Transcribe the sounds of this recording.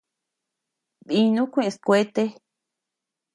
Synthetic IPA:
ði˧nũ˦kʷẽ˦˧ʔẽ˧skʷe˦t̪e˦

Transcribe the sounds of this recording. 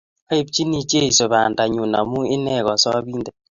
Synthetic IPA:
a˦e˦p̚t͡ʃi˦ni˨t͡ʃe˦i˨so˨βa˨nda˨ɲu˨na̰˨mu˦ɪ˦nɛ˦˨ɣɔ˨sɔ˦βiː˦ndɛ˦˨

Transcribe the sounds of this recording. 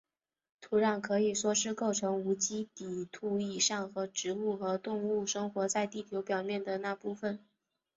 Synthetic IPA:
t̪ʰu˧˥ɻɑ˨˩ŋkʰɤ˧˥i˨˩ʂwɔ˥ʂɻ̩˥˧ko˥˩ʊʈ͡ʂʰɤ˧˥ŋu˧˥t͡ɕi˥t̪i˨˩t̪ʰu˥˩i˨˩ʂɑ˥˩ŋxɤ˧˥ʈ͡ʂɻ̩˧˥u˥˩xɤ˧˥t̪ʊ˥˧ŋu˥˩ʂɤ˥ŋxwɔ˧˥t͡sa˥˧ɪt̪i˥˩t̪ʰjo˧˥ʊpjɑ˨˩ʊmjɛ˥˩nd̪ə˩na˥˧pu˥˩fə˨˩n

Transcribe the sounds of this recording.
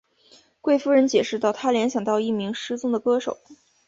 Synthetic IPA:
kwe˥˩ɪfu˥ɻə˧˥nt͡ɕjɛ˨˩ʂɻ̩˥˧t̪ɑ˥˩ʊt̪ʰa˥ljɛ˧˥nɕjɑ˨˩ŋt̪ɑ˥˧ʊi˥˩mi˧˥ŋʂɻ̩˥t͡sʊ˥ŋd̪ə˨kɤ˥ʂo˨˩˦

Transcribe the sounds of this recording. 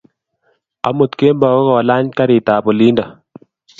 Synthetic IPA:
a̰˨˦mo˨t̪ke˦mbɔ˨kɔ˦kɔ˨la˦ɲka˦ɾɪ˨ta˨pɔ˨li˦ndɔ˨

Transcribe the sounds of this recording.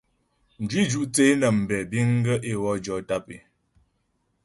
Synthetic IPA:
n̩˨d͡ʒwi˦d͡ʒu˦ʔt͡se˦nə˨m̩˨bɛ˨bi˦ŋ̩˦ɡə˦ʔe˦wɔ˦d͡ʒɔ˨˦ta˦pḛ˨

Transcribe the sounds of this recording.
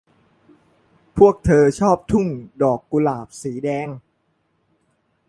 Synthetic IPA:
pʰu˥˩ək̚t̪ʰɤː˧t͡ɕʰɔː˥˩p̚t̪ʰu˥˩ŋdɔː˨˩kːu˧laː˨˩p̚siː˩˦dɛː˧ŋ

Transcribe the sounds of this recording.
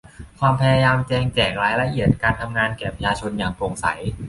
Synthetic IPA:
kʰwaː˧mpʰa˧jaː˧jaː˧mt͡ɕɛː˧ŋt͡ɕɛː˨˩k̚ɾaː˦˥jla˧ʔi˨˩ət̪̚kaː˧nt̪ʰa˧mŋaː˧nkɛː˨˩pʰa˧t͡ɕʰaː˧t͡ɕʰo˧njaː˨˩ŋpo˨˧˩ŋsa̰˩˦j

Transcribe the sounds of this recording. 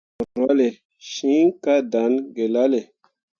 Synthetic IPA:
o˨ɾwa˦le˨ | ʃĩ˦ŋka˦da˨˦nɡe˨la˦le˨

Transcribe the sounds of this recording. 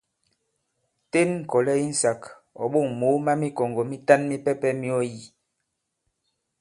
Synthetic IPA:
te˦nŋ̩˨kɔ˨lɛ˦i˦n̩˨sa˨k | ɔ̰˨ɓo˦˨ŋmo˨˦ma˦mi˦kɔ˨ŋɡɔ˨mi˦ta˦nmi˦pɛ˦pɛ˦mi˦ɔ˦ji˨

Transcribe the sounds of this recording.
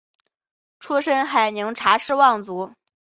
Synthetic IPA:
ʈ͡ʂʰu˥ʂə˥nxa˨˩ɪnɤ˧˥ŋʈ͡ʂʰa˧˥ʂɻ̩˥˧wɑ˥˩ŋt͡su˧˥

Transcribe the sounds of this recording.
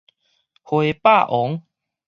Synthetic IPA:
hwe˨pa˥˧˨ʔɔ˨˦ŋ

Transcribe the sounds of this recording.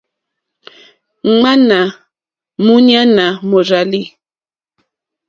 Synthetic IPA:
ŋ͡ma˦na˨ | mu˦ɲ˦a˦na˨mo˨ɾa˨li˦˨

